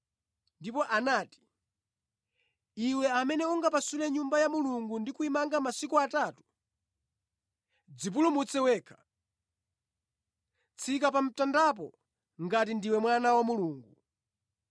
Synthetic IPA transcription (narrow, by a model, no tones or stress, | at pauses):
ndipɔʔanaːti̥ | iwɛamɛnɛuŋɡapasulɛɲumbajamuluŋɡundikuimaŋɡamasikuatatu̥ | d͡zip̬ulumut͡sɛwɛːkʰḁ | t͡sʰikapam̩tandap̬ɔ̰ | ŋɡat̬indiwɛmwanawamuluːŋɡu